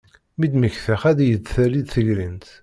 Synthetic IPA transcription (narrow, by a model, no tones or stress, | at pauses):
mid̪məçθæχæðjədθælid̪θəʝlint̪